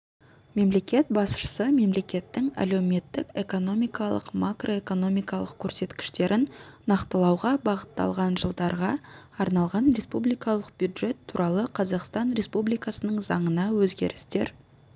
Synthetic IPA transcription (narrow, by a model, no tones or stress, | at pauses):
me̞mle̞kʲe̞t̪̚bɑsʃə̥səme̞mle̞kʲe̞t̪ːɪŋæ̰lewme̞t̪ːɪke̞ko̞no̞mijkɑlˠə̰qmakro̞e̞ko̞no̞mijkɑlˠəq̚kʲʰɵɾse̞t̪kʲɪ̥ʃt̪e̞ɾʔɪnːɑqt̪əlˠɑwʁɑbɑʁət̪ːɑ̰lˠʁɑnʒəlˠd̪ɑɾʁɑɑɾnɑlˠʁɑnɾe̞spublijkɑlˠəq̚bjud̪ʒe̞t̪ʰːuɾʔɑlˠəqʰɑzɑqst̪ɑnɾʲe̞spublijkɑsənəɴzɑɴənɑwɵzɡʲe̞̰ɾɪst̪e̞̰ɾ